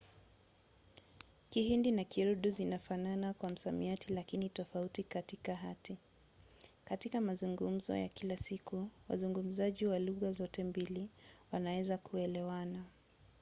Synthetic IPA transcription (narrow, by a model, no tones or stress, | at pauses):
kihindinakiɾuɗuzinafananakwam̩samiatilakinitɔfautikatikaɦati | katikamazuŋɡum̩zɔ̰ja̰kilasikuwa̰zuŋɡum̩zaʄiwaluɣazɔtɛmbiliwanawɛzakuɛlɛwana